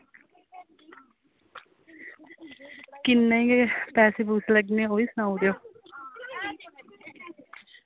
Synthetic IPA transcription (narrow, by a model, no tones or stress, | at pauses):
kɪnːeĩːɡepɛːseːbuːsləɡnẽoːiːsənaːud̪ejoː